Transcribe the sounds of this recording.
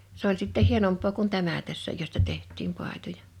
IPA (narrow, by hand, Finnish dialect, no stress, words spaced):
s olʲ sitːeh̆ hienompˑoː kun tæmæ tæsːæ jostɑ tehtˑiːm pɑˑi̞tojɑ